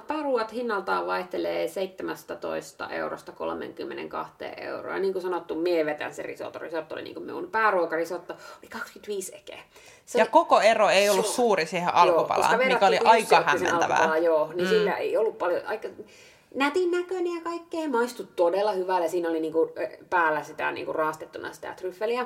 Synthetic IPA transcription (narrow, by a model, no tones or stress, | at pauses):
pæːruɑt̪hinːɑlt̪ɑːʋʋɑiht̪eleːseit̪ːemæst̪æt̪o̰ist̪ɑ̰ʔḛuro̰st̪ɑko̰lmḛŋkymːḛnḛŋkɑ̰ht̪ḛːʔʔḛuro̰ːɑɑniːŋkusɑnot̪ːumieʋet̪æ̰nsḛrḭso̰t̪o̰rḭsot̪ːo̰lḭnḭŋkumḭṵnpæːruokɑrisot̪ːɑolikɑkskyt̪ʋiːsekḛːˑ | seojɑkokoeroeiolːussuːrisiheʔɑjoːupɑ̰kulsɑ̰ɑʋemːækoliuɑiɑhæːisenɑlkpɑlɑˑjjoːnisilːæḛiolːuppɑljo̰ɑikːɑ | næt̪iˑnnækønijɑkɑikːeːmɑist̪ut̪t̪odelːɑhyʋæˑljɑsiːnoliniːŋkupæːlːæsit̪æ̰nḭːŋkurrɑːˑst̪et̪ːunɑ̰si̥t̪æ̰t̪ryfːeliæ